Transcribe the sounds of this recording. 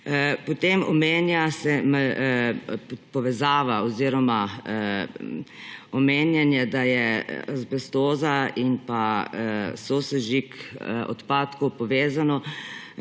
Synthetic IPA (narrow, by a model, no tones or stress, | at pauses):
pɔt̪emɔ̰meːnjasɛm | pɔʋɛzaːʋaɔziːɾɔma | ɔmeːnjɛnjɛd̪ajɛzbɛst̪oːzainpa | soːsɛʒikɔ̰t̪paːt̪kɔwpɔʋeːzanɔ